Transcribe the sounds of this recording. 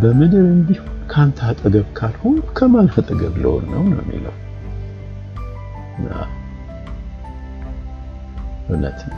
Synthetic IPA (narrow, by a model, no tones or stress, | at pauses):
bəməd̪əβɨnd̪ihunkʰant̪ʰat̪ʼəɡəβkʰalho̞nukʰəmanhat̪ʼəɡəβlə̰ho̰nːəwnə̰wɛmːḭləw | ɨna̰ | ʔunə̰t̪ʰː